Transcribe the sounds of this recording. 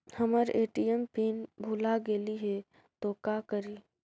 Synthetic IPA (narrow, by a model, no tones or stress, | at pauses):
həməɾeːʈiɛmpiːnbʱuːlaɡeːliɦe | t̪okakəɾiː